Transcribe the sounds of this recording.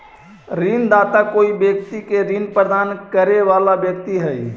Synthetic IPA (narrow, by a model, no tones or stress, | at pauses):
ɾind̪aːt̪akoːibjəkt̪ikeɾinpɾəd̪aːnkəɾeʋalabjək̚t̪iɦəi